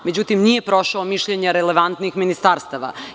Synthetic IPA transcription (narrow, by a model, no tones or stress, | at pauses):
me̞d͡ʑut̪imnije̞pɾo̞ʃaomiʃʎeɲeɾeleʋant̪nixminist̪aːɾst̪aʋa̰